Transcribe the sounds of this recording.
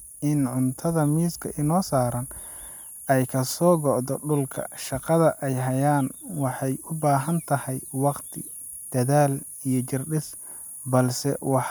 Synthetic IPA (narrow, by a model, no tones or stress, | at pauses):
ʔɪnʕʊnt̪ʰɐðɐmiːskʰɐʔɪnɔːsaːɾɐn | ɛjkʰɐsɔːɡɔʕd̪ɔɖʊlkʰɐ̰ʃɑqɑðɐʔɛjɦɐjaːnwɑħɑjʊbaːɦɐnt̪ʰɐhɛjwɑqt̪ʰɪ | d̪̥ɐðaːl | ijɞt͡ʃɪrɖɪs | bɐlsɛ̰wɑħ